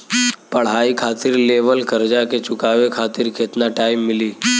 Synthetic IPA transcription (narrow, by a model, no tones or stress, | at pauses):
pɐɽ̤ɦaːikʰaːt̪ɪɾleːʋəlkəɾd͡ʒaket͡ʃʊkaːʋekʰaːt̪ɪɾkeːt̪naʈaːimːɪliː